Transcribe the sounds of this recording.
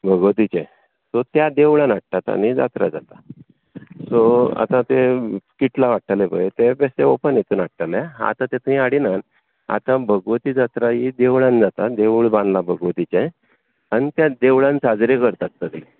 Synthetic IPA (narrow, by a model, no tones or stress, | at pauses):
bʱəɡʋt̪it͡ɕẽ | sot̪jad̪eʋɭãnaʈ̚ʈ̪at̪a̰nid͡za̰t̪ɾa̰d͡za̰t̪a | soa̰t̪ãt̪ekiʈ̪laʋaʈʰalepə̰jt̪epeseopənjet̪uːnaʈ̚t̪amãa̰t̪ãt̪ẽt̪uĩaɽinan | a̰t̪ãbʱəɡʋt̪iːd͡zat̪ɾajid̪eʋɭãnd͡zat̪ad̪eʋɭbãnlabʱəɡʋət̪it͡ɕẽ | anit̪jad̪eʋɭãnt͡sad͡zɾekəɾt̪at̪ːəd̪i